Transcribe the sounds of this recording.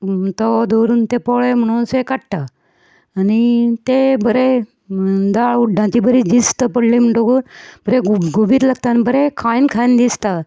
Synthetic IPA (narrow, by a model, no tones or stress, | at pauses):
t̪ɔd̪oɾuːnt̪epɔɭem̤əɽ̃uːsekaʈʈaː | nit̪ebʱəɾe | d̪aɭuɖʱãt͡ɕibəɾid̪ist̪əpəɽlim̤əɳʈokunb̥əɾeɡɡubiːɾlaɡ̚t̪anibəɾekʰaĩnkʰajnd̪ist̪a